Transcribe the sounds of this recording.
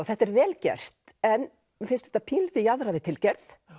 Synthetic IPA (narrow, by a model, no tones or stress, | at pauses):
θɛht̪ɛɾvɛːlcɛ̰r̥t̪ɛn | fɪnst̪ɛ̥ht̪apʰiːlθɪjaðraðɪt̪ʰɪlcɛɾθ